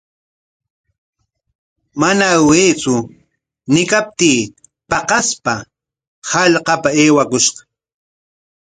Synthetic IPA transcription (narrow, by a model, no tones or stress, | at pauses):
manaweːt͡sʊ | nɪkap̚t̪iː | pɑqɑspa | hɑʎqɑpaeːwakʊʃɢɑ̥